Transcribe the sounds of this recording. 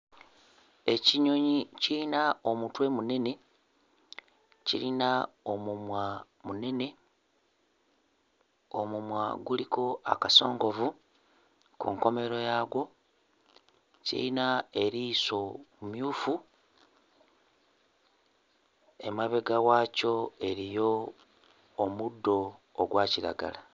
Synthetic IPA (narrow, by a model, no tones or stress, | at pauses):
e̞ciɲo̞ɲiciinao̞mutwe̞mune̞ne̞ | cḭlinaomumwa | mune̞ne̞ | o̞mumwaɡuliko̞a̰kaso̞̰ːŋɡo̞vu | kṵŋko̞me̞ɾo̞jaːɡwo̞ | cḭlinae̞ɾiso̞mumjuːfu | emaβe̞ɡaɣaːco̞e̞ɾijo̞ | mudːo̞ːɡwaːciɾa̰ɡa̰la